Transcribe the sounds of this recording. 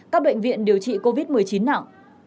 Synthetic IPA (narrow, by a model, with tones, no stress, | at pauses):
kaː˦˥k̚ɓə̰˧˨jŋ̟vḭ˧˨ənɗi˨˩əwt͡ɕḭ˧˨ko˧vi˦˥t̚mɨ˨˩əjt͡ɕi˨˦nːa̰ː˧˨ʔ